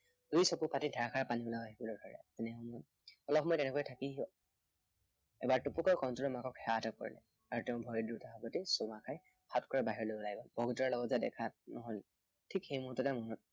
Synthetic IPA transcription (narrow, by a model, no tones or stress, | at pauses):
isɔpupatidʱaɹakʰaɹapanibɔlaaɦibɔlojdʱɔɹɛ̰zɛnɛmɔ | ɔlɔpmɔjtɛnɛkɔjtʰaki | ɛ̰baɹtupukɔjkɔntɔlɔmakɔkxɛatɔkɔ̰ɹḭlɛ̰ | aɹutɛʊ̃bʱɔɹidutaɦɔbɔtisɔmakʰaj | xatkɔɹɛbaɦiɹɔlojɔlajbɔb̥ʱɔɡutɔɹalɔɡɔtzadɛ̰kʰanɔɦɔjl | tʰikxejmutɔtɛmɔnɔt̚